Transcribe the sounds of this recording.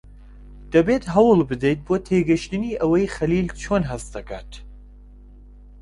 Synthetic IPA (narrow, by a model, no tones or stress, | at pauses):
d̪̥ɐbet̪ɦɐwɨlˠbɨd̪ejt̪̚boːt̪ʰeːɡɨʃt̪ɨniːʔɐwɐjxɐliːlt͡ʃʰoːnɦɐst̪d̪ɐkʰa̰ːt̪